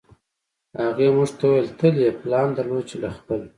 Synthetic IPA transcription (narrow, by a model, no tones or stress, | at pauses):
haɣemuʐt̪awuwelt̪ʰəljeplɑnd̪əɾlot͡ʃelaxpəl